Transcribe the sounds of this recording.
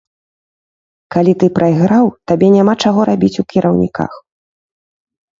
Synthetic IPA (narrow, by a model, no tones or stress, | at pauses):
kalʲit̪ɨpɾʔɐjɣɾawt̪abʲɛnʲamat͡ʂaɣɔɾabʲit͡sʲukʲiɾʔɐwnʲḭka̰x